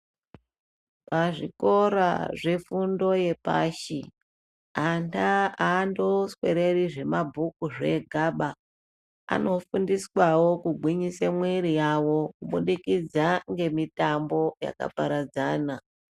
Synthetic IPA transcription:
paʐiko̞ɾa̰ʐe̞fundo̞je̞pa̰ːʃi | antʰaaːndoswe̞ɾe̞riʐe̞mabʱukuʐe̞ɡʱaɓa | a̰no̞fundiswawo̞kuɡʱwiɲisamwiɾijawo̞kuɓuɗikid͡zaŋɡe̞mitambo̞ja̰ka̰paɾad͡zaːna

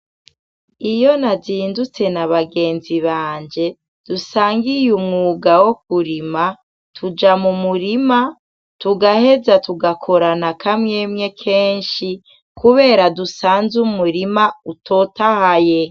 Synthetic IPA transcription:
ijo̞naziːndut͡se̞naβaɡe̞ːnziβaːɲd͡ʒe̞ | d̥usaːŋɡijumŋuːɡawo̞k̚uɾima | tʰud͡ʒamumuɾima | tuɡahe̞zatuɡakʰo̞ɾanakʰamŋeːmɲe̞kʰeːnʃi | kʰuβe̞ːɾadusaːnzumuɾimautʰotahaje̞

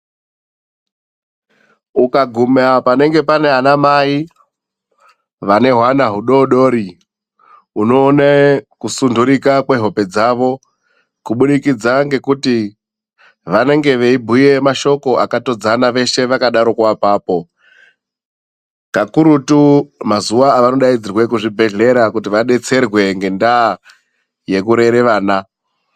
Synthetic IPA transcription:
ukaɡʱumapane̞ŋɡe̞pane̞ɦanamai | ʋane̞ɦwanaɦuɗo̞ɗo̞ːɾi | uno̞ːnekusunduɾikakwe̞ɦo̞pe̞d͡zaʋo̞ | kuɓuɗikid͡zaŋɡe̞kuti | ʋane̞ŋɡe̞ʋeibʱuje̞maʃo̞ko̞ʔakato̞d͡zanaʋe̞ʃe̞ʋakaɗaɾo̞kwapaːpo̞ | kakuɾutumazuʋaːʋano̞ɗaid͡zirwe̞kuʐibʱe̞ɮe̞ɾakutiʋaɗe̞t͡se̞rwe̞ŋɡe̞ndaː | je̞kuɾe̞ɾe̞ʋaːna

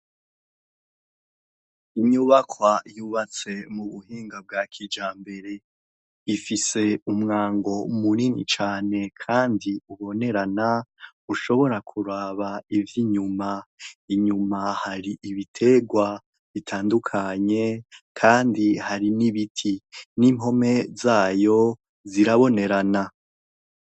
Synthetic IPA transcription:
iɲuβakʰwajuːβat͡se̞muβuhiːŋɡab̚ɡaːkʰid͡ʒaːmbe̞ɾe̞ | ifise̞umŋaːŋɡo̞muninḭt͡ʃaːne̞kʰaːndiuβo̞ne̞ɾana | uʃo̞βo̞ɾakʰuɾaːβaivjiɲumaiɲumahaɾiʔiβitʰe̞ɡwa | βitʰaːndukʰaɲe̞kʰaːndihaɾiniβitʰiniːmɦo̞me̞zaːjo̞ | ziɾaβo̞ne̞ɾana

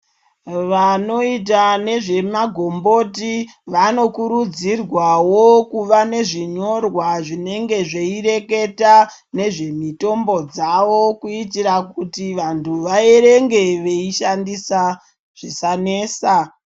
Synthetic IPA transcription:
ʋano̞it̬ane̞ʐe̞maɡʱombo̞tiʋano̞kuɾud͡zirwawokuʋane̞ʐiɲo̞rwaʐine̞ŋɡe̞ʐe̞ire̞ke̞ta | ne̞ʐe̞mito̞mbo̞d͡zaʋo̞kuitiɾakutiʋantʰuʋae̞ɾe̞ŋɡe̞ʋe̞iʃandisa | ʐ̥isane̞ːsa

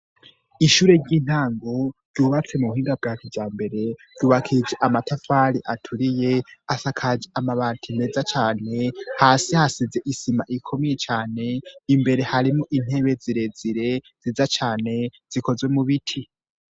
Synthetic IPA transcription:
iʃuːɾe̞ɾɟiːn̥haːŋɡo̞ɾɟuːβat͡se̞muβuhiːŋɡab̚ɡaːkʰivjaːmbe̞ɾe̞dɟuːβakʰid͡ʒeʔamatʰafaɾiʔatʰuɾije̞asakʰad͡ʒeʔamaβaːntʰime̞ːzat͡ʃaːne̞haːsihasize̞ʔisimaʔikʰo̞mijet͡ʃaːne̞imbe̞ɾe̞haɾimoʔin̥he̞ːβe̞ziɾe̞ziɾe̞ | z̥izat͡ʃaːne̞z̥iko̞zwe̞muβitʰi

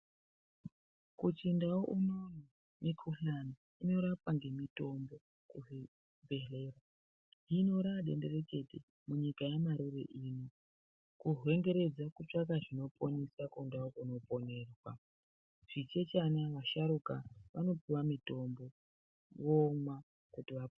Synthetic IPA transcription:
kut͡ʃindawoʔunoni | mikʰuɬani | ino̞ɾapaŋɡe̞mito̞mbo̞ | kuɦe | bʱe̞ɮe̞ːra | ino̞ɾaɗe̞̰nde̞re̞ke̞tḛ | muɲikajamaɾurḛʔino | kuɦwe̞ŋɡe̞ɾe̞d͡zakut͡ʂak̬aʐino̞ponisakundaokuno̞po̞ne̞ːrwa̰ | ʐ̥it͡ʃe̞t͡ʃanaʋaʃaɾukaʋano̞piwamito̞mbo̞ | ʋomwa | kutiʋap

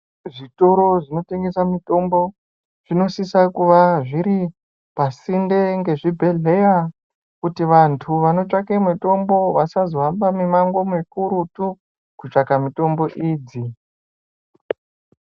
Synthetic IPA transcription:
ʐito̞ɾo̞ʐino̞te̞ŋɡe̞samito̞mbo̞ | ʐ̥ino̞sisakuʋaʐiɾi | pasinde̞ŋɡe̞ʐibʱe̞ɮe̞ja | kutiʋantʰuʋano̞t͡ʂakemweto̞mbo̞ʋasazoɦambamimaŋɡo̞mikuɾutu | kut͡ʂakamito̞mbo̞ʔiːd͡zi

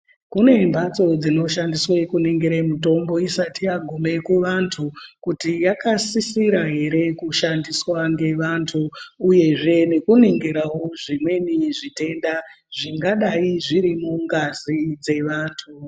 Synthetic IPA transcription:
kune̞mbʱat͡so̞d͡zino̞ʃandiswekuneŋɡeɾemuto̞mbo̞isatijaɡʱome̞kuʋantʰukutijakasisiɾaɦe̞ɾe̞kuʃandiswaŋɡe̞ʋantʰuːje̞ʐe̞ne̞kuneŋɡeɾawo̞ʐimwe̞niʐite̞nda | ʐiŋɡaɗaiʐiɾimuŋɡazid͡ze̞ʋaːntʰu

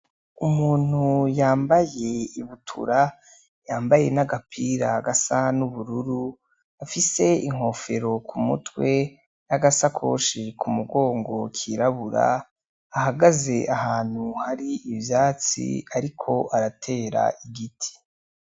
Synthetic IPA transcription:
umuːn̥hujaːmbaje̞iβutʰṵɾa | jaːmbajenaɡapʰiɾaɡasanuβuɾuɾu | afise̞iŋ̥ho̞fe̞ɾo̞kʰumṵtwe̞ | naɡasakʰo̞̰ːʃikʰumuɡo̞ːŋɡo̞kʰiɾaβuɾa̰ː | ɦaɡaze̞ʔahaːn̥huhaɾiivjaːt͡sḭaɾikʰo̞ʔaɾatʰe̞ːɾa̰iɡitʰi̥

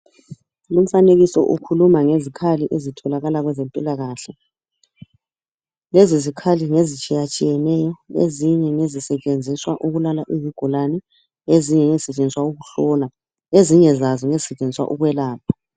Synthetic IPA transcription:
lum̩faneɣisɔ̰ʔukʰulumaŋezikʰaliʔezitʰɔlaɣalaɣwɛzempʼilaɣaːɬɛ | lɛzizikʰaliŋezit͡ʃʼijat͡ʃʼijɛnɛjɔḛziɲɛŋezisɛt͡ʃʼend͡zʱiswaʔuɣulalaʔiviɡ̥ʱulanɛ | eziɲɛŋɛzi̥sɛt͡ʃʼend͡zʱiswauɣuɬɔːla | eziɲɛzazɔŋezisɛt͡ʃʼend͡zʱiswa̰ʔuɣwɛlaːp̚ʰḁ

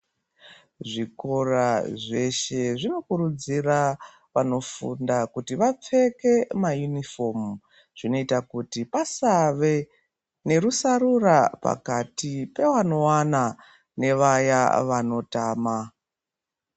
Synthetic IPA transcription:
ʐiko̞raʐe̞ʃe̞ʐino̞kuɾud͡zira | ʋano̞fṵndakutiʋap͡fe̞ke̞majunifo̞mu | ʐ̥ino̞itakutipasaʋe | ne̞ɾusaɾurapa̰katipe̞wano̞wana | ne̞ʋajaʋano̞taːma

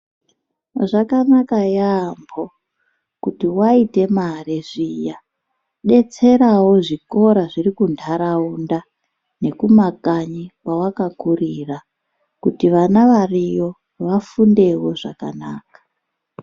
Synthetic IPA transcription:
ʐakanakajambo̞ | kutiwaite̞mareʐija | ɗe̞t͡se̞ɾawo̞ʐiko̞ɾaʐirikuntʰaɾaunda | ne̞kumakaɲiwwawakakurira | kutiʋanaʋarijo̞ | ʋafunde̞wo̞ʐakana̰ːkḁ

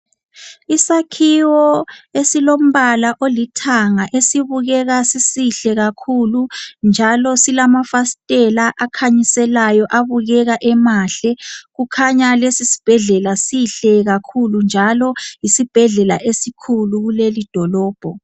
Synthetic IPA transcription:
isakʰiwɔesilom̩βalaʔolitʰaŋaʔesiβuɣɛɣasisiɬɛɣakʰulund͡ʒʱalɔsilamafastʼɛlaʔakʰaɲisɛlajɔʔaβuɣɛɣaʔɛmaɬɛɣukʰaɲalesisi̥b̥ʱɛɮɛlasiɬɛɣakʰulund͡ʒʱalɔjisib̥ʱɛɮɛlaʔesikʰuluɣulelid̥ʱɔlɔːb̥ʱɔ

